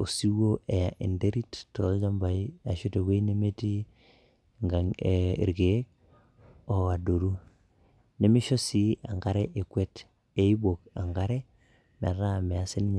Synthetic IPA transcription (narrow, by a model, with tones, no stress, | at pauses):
o˨si˦wo˦e˨ja˨ʔi˨nde˦ɾi˦ttɔ˨˦d͡ʒa˦mba˨i˦a˨ʃu˦te˨ke˦i˦ne˦me˦ti˦ | ŋɡa˨ŋeḭ˨ɾɡe˨e˦k̚ | o˨a˨do˨ɾu˦ | ne˦mi˦ʃɔ˦si˦a˨ŋɡa˦ɾe˦ʔe˨kwe˦t | e˨˦i˦bo˨ka˨ŋɡa˦ɾe˦ | mɛ˨ɾa˦˨mɛ˨a˦sɪ˦nɲ